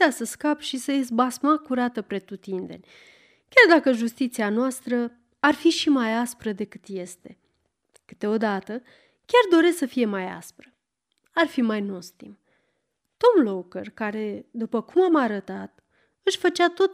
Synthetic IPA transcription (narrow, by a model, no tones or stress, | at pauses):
asəskapʃisəezbasmakuɾat̪əpɾe̞t̪ut̪ind̪e̞̰nʲ | kʲard̪akəʒust̪it̪sianoast̪ɾə | arfiʃimajaspɾəd̪e̞kɨt̪je̞st̪e̞ | kɨ̥t̪e̞o̞d̪at̪ə | kʲard̪o̞ɾe̞səfije̞maja̰spɾə | arfimajno̞st̪ḭm | t̪o̞mlo̞kərkaɾe̞d̪upəkumamaɾət̪at̪ | ɨʃfət͡ʃat̪o̞t̪